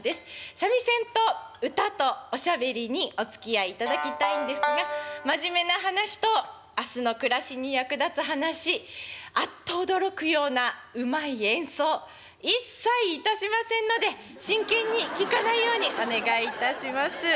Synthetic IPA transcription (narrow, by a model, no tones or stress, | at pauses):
d̪e̞sɨ̥ɕamʲisẽ̞nt̪o̞ɯ̟t̪at̪o̞ːɕabe̞ɾʲiɲ̟io̞t͡sɨ̥kʲiaiːt̪ad̪akʲit̪aĩnd̪e̞sɨɡamaʑime̞naɦanaɕi̥t̪o̞ | asɨno̞kɯ̟ɾaɕiɲ̟ijakɯ̟d̪at͡sɨɦanaɕiat̪ːo̞ːd̪o̞ɾo̞kɯ̟jo̞ːnaɯ̟maiẽ̞ɰ̃so̞ː | isːaiːt̪aɕimasẽ̞nːo̞d̪e̞ | ɕĩŋkẽ̞ɲ̟ːikʲikanaijo̞ːɲ̟iʔo̞ne̞ɡait̪aɕimasɨ